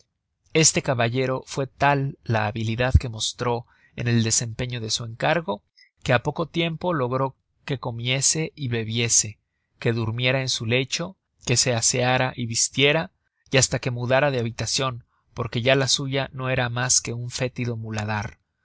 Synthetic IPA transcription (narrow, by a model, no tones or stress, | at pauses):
e̞st̪e̞kaβaʝe̞ɾo̞fwe̞t̪alːaːβiliðaðke̞mo̞st̪ɾo̞ | e̞̰ne̞ld̪e̞se̞mpe̞ɲo̞ðe̞sue̞ŋkaɾɣo̞ | ke̞apo̞ko̞t̪je̞mpo̞lo̞ɣ̞ɾo̞ | ke̞ko̞mje̞se̞ʔiβe̞βje̞se̞ | ke̞ðuɾmje̞ɾae̞nsule̞t͡ʃo̞ | ke̞se̞aseaɾaʔiβist̪je̞ɾa | iast̪ake̞muðaɾað̞eaβit̪asjo̞n | po̞ɾke̞ʝalasuʝano̞e̞ɾamaske̞uɱfe̞t̪iðo̞mulaðaɾ